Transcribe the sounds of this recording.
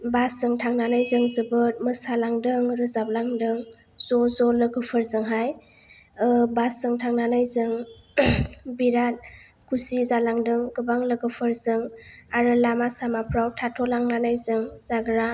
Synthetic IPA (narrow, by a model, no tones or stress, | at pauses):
basɯŋtʰaŋnanajzɯŋzɯbɯt̚mɯsalaŋdɯŋɾɯzap̚laŋdɯŋ | zɔzɔlɯɡɯpʰɯɾzɯŋɦaj | ɯbasɯŋtʰaŋnanajzɯŋ | biɾat̚ | kʰusizalaŋdɯŋɡɯbaŋlɯɡɯpʰɯɾzɯŋaɾɯlamasamapʰɾawtʰatʰɔlaŋnanajzɯŋz̥aɡɾa